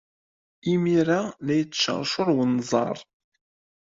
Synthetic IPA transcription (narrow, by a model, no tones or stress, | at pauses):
imiɾanæjət͡sːʃə̰ɾˤʃʊɾˤwənːzˤɑ̰ɾˤ